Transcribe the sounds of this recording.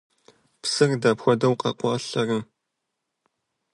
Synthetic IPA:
psɨrdapxʷɔdɐwqɐ̰qʷɑːɬɐrɨm

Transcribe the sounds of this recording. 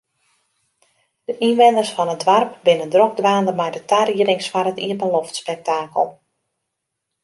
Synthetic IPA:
d̥əʔinʋɛndərsfɔnədʋarpbɪnəndroɡ̚dʋaːndəmɛjdətʰariərɪŋsfarətiəbəlɔftspɛk̚taːkə̰lˠ

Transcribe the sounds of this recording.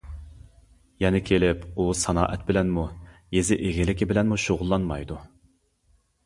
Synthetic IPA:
jɛnɪkʲʰelɪpusɑnɑ̰ːʔɛt̪̚bɪlɛnmujezɪʔeɡʲɪlɪkʲɪbɪlɛnmuʃoʁʊlˠːɑnmɑjd̪u

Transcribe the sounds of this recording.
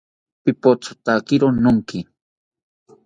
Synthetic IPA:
pɪpot͡so̥t̪akɪɾonʊŋkɪ

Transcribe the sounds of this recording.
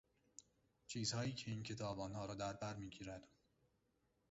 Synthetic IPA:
t͡ʃʰiːz̥hɒːjiːcʰe̞iːncʰe̞t̪ʰɒːbɒːnhɒːɾɒːd̪æɾbæɾmiːɟiːɾæd̪̥

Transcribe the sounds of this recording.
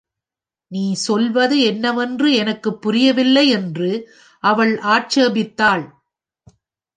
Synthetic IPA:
niːsɔlʋɐðɯɛnːɐʋɛndrɯɛnɐkːɯpːʊɾɪjɐʋɪlːɐɪɛndrɯ | ʔɐʋɐɭʔaːʈ̚t͡ʃeːbɪt̪ːaːɭ

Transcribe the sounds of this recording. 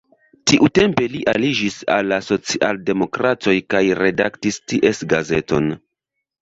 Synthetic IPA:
tiʔute̞mpe̞liʔalid͡ʒisa̰lːaso̞t͡siʔalde̞mo̞kɾato̞jkajɾe̞daktistiʔe̞sɡaze̞to̞̰n

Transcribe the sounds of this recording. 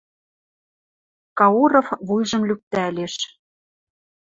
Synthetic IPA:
kɑuɾŏfβujʒɤ̆mlyk̚t̪æleʃ

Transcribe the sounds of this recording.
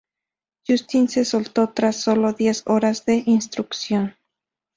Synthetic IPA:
ʝust̪inse̞solt̪o̞t̪ɾasːo̞lo̞ðje̞so̞ɾazðe̞ʔinst̪ɾuksjo̞n

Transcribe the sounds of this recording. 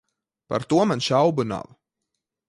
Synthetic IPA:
pa̰ɾt̪uɔmanʃawbuna̰w

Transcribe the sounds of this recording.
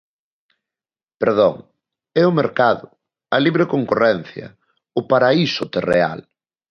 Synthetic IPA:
peɾðoŋ | ɛʊmeɾkaðʊ | ɐliβɾekoŋkorɛn̟θjɐ̰ | ʊpaɾaisʊt̪erea̰l

